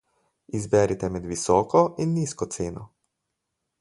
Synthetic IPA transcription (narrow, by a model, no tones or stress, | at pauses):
izbɛːɾit̪ɛmɛd̪ʋisɔːkɔinːiːskɔt̪seːnɔ